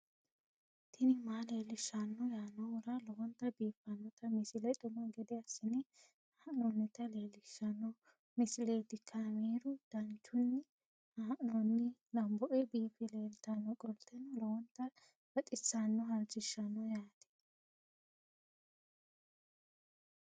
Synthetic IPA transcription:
t̪ʰɪnɪmaːle̞ːlɪʃːɐnːɔjaːnːɔwɔɾɐlɔwɔnt̪ːɐbiːfɐnːɔt̪ɐmɪsɪlɐt̪ʼʊmɐɡɛd̪ɛɐsːɪnɪ | haːʔnɔnːɪt̪ɐle̞ːlɪʃːɐnːɔ | mɪsɪle̞ːt̪ːɪkʰːɐmeːɾʊd̪̥ɐnt͡ʃːʊnːɪ | haːʔnɔnːɪlɐmbɔʔɛbiːfɪle̞ːlt̪ɐnːɔkʼɔlt̪ːɛnːɔlɔwɔnt̪ːɐ | b̥ɐt̪ʼɪt͡sːanːɔɦɐlt͡ʃɪʃːɐnːɔjaːt̪ɛ̥

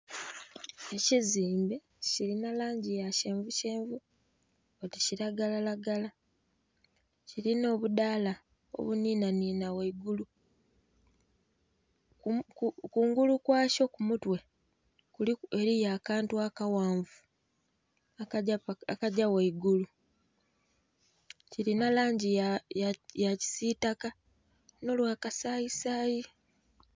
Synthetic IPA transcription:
e̞ciziːmbe̞ | ciɾinalaːɲɟijace̞ːɱvuce̞ːɱvu | oticiɾaɡalalaɡala | ciɾino̞ːβudaːla | o̞̰βuniːnaniːnaweiɡulu | kuːŋɡulukwaːʃo̞kumutwe̞ | kulie̞ɾijaːkaːntuakawaːɱvu | aakaɟaweiɡulu | ciɾinalaːɲɟijajjaci̥sitaka | no̞lwaːkasaːjisaːji

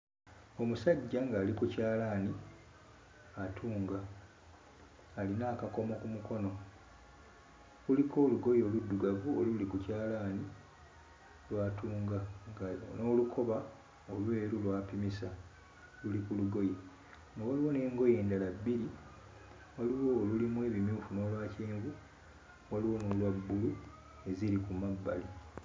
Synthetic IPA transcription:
o̞musaɟːaŋɡaːlikucaːlani | atʰuːŋɡa | linaːkako̞mo̞kumuko̞no̞ | kuliko̞ːluɡo̞joludːuɡavuo̰lulikucaːlaːni | lwaːtuːŋɡaŋɡano̞ːlukʰo̞βa | olwe̞ːɾulwaːpimisa | lulikuluɡo̞ji | ŋɡawaliwo̞ne̞ːŋɡo̞je̞ːndalabːiɾi | waliwo̞ːlulimwe̞ːβimjuːfuno̞ːlwaːceːɱɡu | waliwo̞no̞ːlwabːulu | e̞zilikumabːa̰li

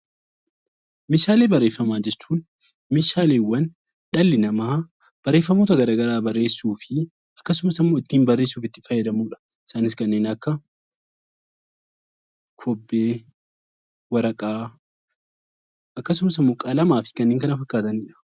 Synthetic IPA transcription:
mɪʃaːle̞ːbɐrːe̞ːfːɐmaːd͡ʒɛt͡ʃːuːn | mɪʃaːleːwːɐn | ᶑɐlːɪnɐmaː | b̥ɐrːe̞ːfːɐmo̞ːt̪ɐɡɐɾaːɡɐɾaːbɐrːe̞ːsːuːfɪ | ɐkːɐsʊmsɐmːoːɪt̪ːiːnbɐrːeːsːuːfɪt̪ːɪfɐjːɛd̪ɐmuːᶑɐ̥ | ɪ̥saːnɪs̬kɐnːeːnɐkːɐ | kʰɔbːeː | wɐɾɐkʼaː | ʔɐkːɐsʊmɐsɐmːoːkʼɐlɐmaːfɪ̥kɐnːeːŋkɐnɐfɐkːaːt̪ɐnɪᶑɐ̥

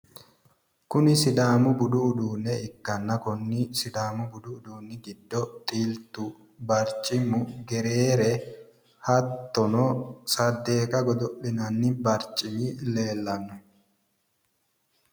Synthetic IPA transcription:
kʊnɪsɪd̪aːmʊbʊd̪ʊːd̪uːnɛɪkːɐnːɐkʊnːɪsɪd̪aːmʊbʊd̪ʊːd̪uːnːɪɡɪd̪ːɔt̪ʼiːlt̪ʊ | bɐɾt͡ʃʼɪmʊɡɛɾeːɾɛ | hɐt̪ːɔnɔsɐd̪ːe̞ːkʼɐɡɔd̪ɔʔːɪnɐnːɪbɐɾt͡ʃʼɪmɪleːlːɐnːʊ

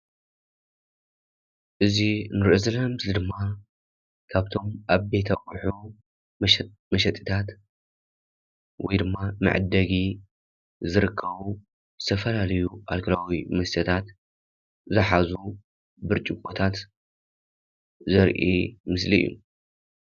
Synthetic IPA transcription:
ʔɨzinɨɾɨʔɨzɨlamzlɨd̪ɨmːa | kʰaβt̪ʰo̞mʔaβbe̞t̪ʰɐkʼuħu | mɐʃɐt̪ʼːi̥t̪ʰat̪ | wɔjd̪ɨmːamɨ̰ʕd̪ːɐɡi | zɨɾɨkʰːɐβu | zɨt̪ʰɐfɐlalɐjuʔalkʰɨlawimɐsɐt̪ʰat̪ | zɨħazu | bɨɾt͡ʃʼɪkʼot̪ʰat̪ | zɐɾʔḭmɨslḭjːṵ

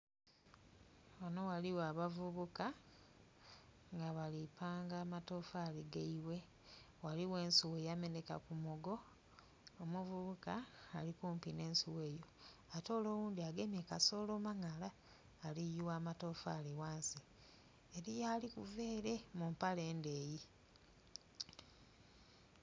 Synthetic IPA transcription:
wono̞waliwaːβavuβuka | ŋɡaβalipaːŋɡaːmatoːfaːliɡeiwe̞ | waliwe̞ːnsuwe̞ːjame̞neka̰kumuɡo̞ː | muvuβukaːlikuːmpine̞ːnsuwe̞ːjo̞ato̞ːlo̞ːwuːnd̪iaɡe̞mjekaso̞ːloːmaŋalaː | lijuwaːmatoːfaːliwaːnsi | eɾijaːlikuveːɾe̞mumpale̞ːnde̞ːji

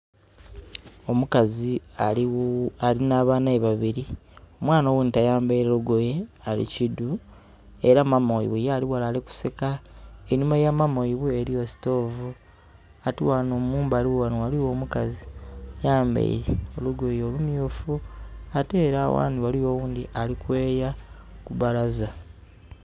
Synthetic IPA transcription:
o̞mukazia | alinaːβaːnaeβaβiɾio̞mwaːnowenitajaːmbejɾeluɡoje̞alḭcidu | e̞ɾamamoḭβejaːliwalaleku̥sekaeɲumajamamoiβue̞ɾio̞si̥to̞ːvu | atiwanomuːmbaliwwanowaliwo̞ːmukazijaːmbḛjɾeo̞luɡo̞jeolumjuːfuate̞ːɾawa̰ːniwalijo̞wuːndiʔalikwe̞ːjakuβalaza

